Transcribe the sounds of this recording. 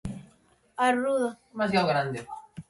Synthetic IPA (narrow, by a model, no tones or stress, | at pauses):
aruðo | mazjawɣɾand̪e